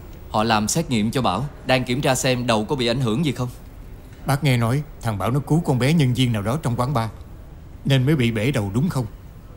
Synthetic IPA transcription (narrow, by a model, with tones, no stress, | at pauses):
hɔ̰˧˨laː˨˩msɛ˦˥t̚ŋḭ˧˨əmt͡ɕɔ˧ɓaː˧˩wɗaː˧ŋki˧˩əmt͡ɕaː˧sɛ˧mɗə˨˩wkɔ˨˦ɓḭ˧˨ʔa˧˩jŋ̟hɨ˧˩əŋzi˨˩xə˧wŋ͡m | ɓaː˦˥k̚ŋɛ˧nɔ˨˦jt̪ʰaː˨˩ŋɓaː˧˩wnɔ˨˦ku˨˦kɔ˧nɓɛ˨˦ɲə˧nzi˧əŋnaː˨˩wɗɔ˨˦t͡ɕɔ˧wŋ͡mkwaː˨˦nɓaː˧ | ne˧nməː˨˦jɓḭ˧˨ɓe˧˩ɗə˨˩wɗʊ˨˦ŋ͡mxə˧wŋ͡m